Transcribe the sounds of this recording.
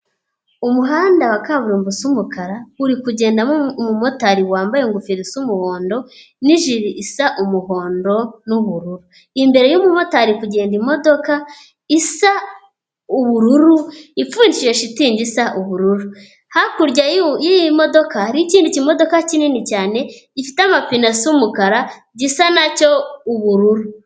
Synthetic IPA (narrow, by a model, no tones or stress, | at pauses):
umuɦaːndawakaβuɾumbusumukaɾauɾikuɟe̞ːndammumo̞taɾiwaːmbajeŋɡufiɾisumuho̞ːndo̞ | niʒiɾiʔisaʔumuho̞ːndo̞nuβuɾuɾu | imbe̞ɾe̞jumumo̞taɾikuɟe̞ːndimo̞do̞ka | isa | uβuɾuɾuifuːnd͡ʒijoʃitiːɲɟisaʔuβuɾuɾu | hakuɾɟajijimo̞do̞kahaɾiciːndicimo̞do̞kacininicaːne̞ɟifiteamafinasumukaɾa | ɟisanaco̞uβuɾuɾu